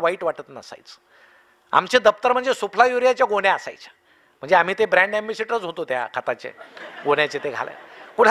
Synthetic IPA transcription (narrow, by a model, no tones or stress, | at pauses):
ʋaiːʈʋaʈət̪nəsa̰jt͡s | a̰mt͡ɕed̪əp̚t̪əɾm̤əɳd͡zesupʰlajuɾijat͡ɕjaɡoɽjaəsa̰jt͡ɕjḁ | m̤əɳd͡zeam̤iːt̪ebɾæ̃ɳɖembiseʈəɾət͡sɦot̪ot̪ja̰kʰat̪at͡ɕḛɡoɽjat͡ɕet̪eɡʱa̰lḛnkuɽ̤